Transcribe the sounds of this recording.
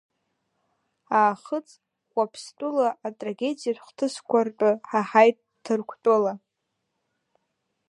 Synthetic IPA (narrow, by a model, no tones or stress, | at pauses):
aːχət͡sʼ | χʷʼapʰstʷʼulaʔːtʼraɡʲedijatʷχʷtʰɨskʷartʼɨħaħajt | tʰːɨrkʷʰtʼɨla